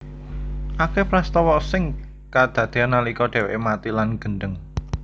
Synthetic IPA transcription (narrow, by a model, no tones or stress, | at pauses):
ʔakepɾast̪ɔwɔʔsɪŋ | kad̪̥ä̤d̪̥e̤anːalikɔɖ̥e̤wḛʔmat̪ilanɡ̥ə̤nɖ̪əŋ